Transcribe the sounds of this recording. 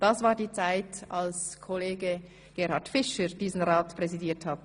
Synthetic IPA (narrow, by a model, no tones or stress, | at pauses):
d̥ɑsvaːɾdiːt͡saɪtalskʰɔleːɡə | ɡ̥eːɾhɑtfɪʃəɾd̥iːzn̩ʁaːtpʁɛzidiːɐthat